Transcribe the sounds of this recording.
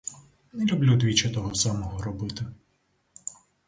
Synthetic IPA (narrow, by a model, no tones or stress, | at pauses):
nɛlʲublʲud̪ʋʲit͡ʃɐt̪ɔɦɔsamɔɦɔɾɔbɪt̪ɪ